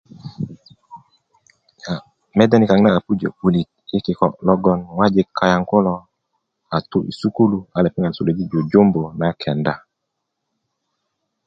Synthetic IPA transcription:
ja˨ | mɛ˦da˦ni˨ka˨ŋnaː˦˨pu˦d͡ʒo̰˨u˨li˨t̚i˦ki˨kɔ˨lɔ˦ɡɔ˦nwa˦d͡ʒi˦kʰːa˨ja˨ŋko˦lɔ˨ | a˨tu˦ʔḭ˨su˦ku˦lu˨a˨lɛ˨pi˦ŋɡa˨lsu˨le˨d͡ʒi˦d͡ʒo˨d͡ʒo˦mbo˨na˦kʰɛ˨nda˦

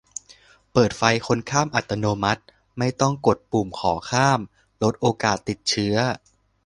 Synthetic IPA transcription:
pɤː˨˩t̪̚fa˧jkʰo˧nkʰaː˥˩mʔa˨˩t̪ːa˧noː˧ma˦˥t̪̚ | ma˥˩jt̪ɔ˥˩ŋko˨˩t̪̚pu˨˩mkʰɔː˩˦kʰaː˥˩m | lo˦˥t̪̚ʔoː˧kaː˨˩t̪ːi˨˩t̪̚t͡ɕʰɯ˦˥ɐ

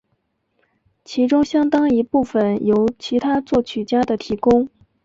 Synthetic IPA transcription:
t͡ɕʰi˧˥ʈ͡ʂʊ˥ŋɕjɑ˥ŋt̪ɑ˥ŋi˧˥pu˥˩fə˨˩njo˧˥ʊt͡ɕʰi˧˥t̪ʰa˥t͡swɔ˥˩t͡ɕʰy˨˩t͡ɕja˥d̪ə˨t̪ʰi˧˥kʊ˥ŋ

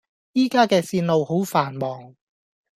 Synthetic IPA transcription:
jiː˥kaː˥kɛː˧siː˧nlo˨˧who˨˥wfaː˨˩nmɔː˨˩ŋ

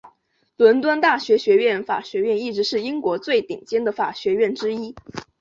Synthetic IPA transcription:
lwə˧˥nt̪wa˥nt̪a˥˩ɕɥɛ˧˥ɕɥɛ˧˥ɥɛ˥˩nfa̰˨˩ɕɥɛ˧˥ɥɛ˥˧ni˥˩ʈ͡ʂɻ̩˧˥ʂɻ̩˥˩i˥ŋkwɔ˧˥t͡swe˥˩ɪt̪i˨˩ŋt͡ɕjɛ˥nd̪ə˨fa˨˩ɕɥɛ˧˥ɥɛ˥˩nʈ͡ʂɻ̩˥i˥

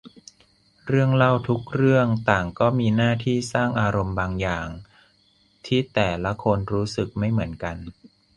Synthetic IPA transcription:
ɾɯ˥˩əŋla˥˩wt̪ʰu˦˥k̚ɾɯ˥˩əŋt̪aː˨˩ŋkɔː˥˩miː˧naː˥˩t̪ʰiː˥˩saː˥˩ŋʔaː˧ɾo˧mbaː˧ŋjaː˨˩ŋ | t̪ʰiː˥˩t̪ɛː˨˩la˦˥kʰo˧nɾuː˦˥sɯ˨˩k̚ma˥˩jmɯ˩˦ənka˧n

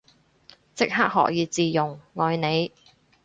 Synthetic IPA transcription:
t͡sɪ˥k̚ha˥k̚hɔ̰ː˨k̚jiː˨˧t͡siː˨jʊ˨˩ŋŋɔː˨˧jne˨˧j

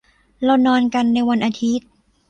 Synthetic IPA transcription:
ɾa˧wnɔː˧nka˧nːa˧jwa˧nʔaː˧t̪ʰi˦˥t̪̚

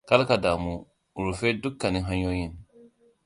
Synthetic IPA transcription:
ka˦la˦ka˨da˨mũ˨ | u˨ɾu˨fɛ˦du˦kːa˨nĩ˦ɦã˦ɲɔ˦ji˦˨n

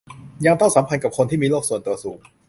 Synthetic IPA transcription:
ja˧ŋt̪ʰa˥˩wsa˩˦mpʰa˧nka˨˩p̚kʰo˧nt̪ʰiː˥˩miː˧loː˥˩k̚su˨˩ənt̪u˧ɐsuː˨˩˦ŋ

